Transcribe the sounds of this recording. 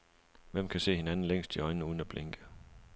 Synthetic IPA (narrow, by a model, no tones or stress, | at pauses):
ʋem̰kʰæse̝̰ːhe̝nænn̩leŋ̰sd̥iɒ̽ɪnnəuːð̞ˠn̩æb̥leŋɡ̥ə̥